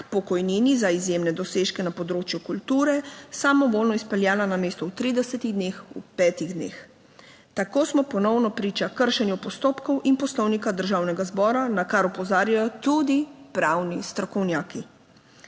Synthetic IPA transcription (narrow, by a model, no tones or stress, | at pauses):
pɔkɔjniːnizaizjemnɛd̪ɔseːʃkɛnapɔd̪ɾoːt͡ʃjukult̪uːɾɛsamɔʋoːlnɔispɛljaːlanameːst̪ɔuwt̪ɾiːd̪ɛsɛt̪iɣd̪neːxṵpɛːt̪iɣd̪nḛːx | t̪akoːsmɔpɔnɔwnɔpɾiːt͡ʃakəɾʃɛnjupɔst̪oːpkɔwʔinpɔslɔwnikad̪əɾʒaːwnɛɡazbɔːɾanakaɾupɔzaːɾjajɔt̪ud̪ipɾawnist̪ɾɔkɔwnjaːki